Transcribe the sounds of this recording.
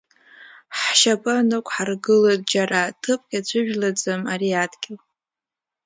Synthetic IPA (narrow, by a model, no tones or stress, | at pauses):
ħʃapʼanɨkʷʼʰħarɡɨlod̚ʼd͡ʒaratʰɨpʼkʲʼat͡ʃʷʰɨʒᶣlad͡zɨmariadɡʲɪl